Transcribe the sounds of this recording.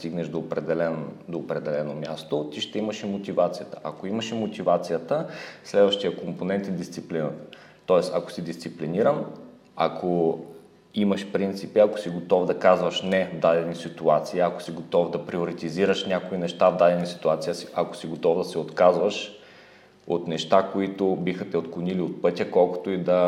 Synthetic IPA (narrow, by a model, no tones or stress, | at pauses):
st̪iɡnɛʒd̪opɾɛd̪ɛlɛnd̪oːpɾɛd̪ɛlɛnomʲjast̪ot̪iʃt̪ɛiməʃimot̪ivat̪sijət̪ə̥ʔakoiməʃimot̪ivat̪sijət̪əslɛd̪vɐʃt̪ijəkomponɛnt̪id̪ist̪siplinət̪ə̥ | t̪ɔɛsɐ̰ko̥sid̪ist̪sipliniɾəm | akʰo | imɐʃpɾint̪sipiɐko̥siɡot̪ɔvd̪ɐkazvɐʃnɛvd̪ad̪ɛnʲisit̪uat̪siːɐko̥siɡot̪ɔvd̪ɐpɾioɾit̪iziɾəʃnʲakoinɛʃt̪avd̪ad̪ɛnisi̥t̪uat̪sijəsi̥ʔɐko̥siɡot̪ɔvd̪ɐsɛot̪kazvəʃ | ot̪nɛʃt̪akoit̪obixɐt̪ɛot̪klˠoniliot̪̚pɤt̪ʲjəkɔlˠko̥t̪oid̪ɐ